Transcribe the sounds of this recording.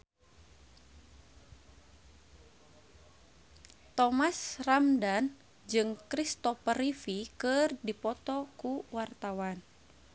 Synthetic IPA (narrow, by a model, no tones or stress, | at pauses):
t̪ɔmasramdan | d͡ʒɨŋkɾist̪ɔfəɾifikɨrdipɔt̪ɔkuwart̪awan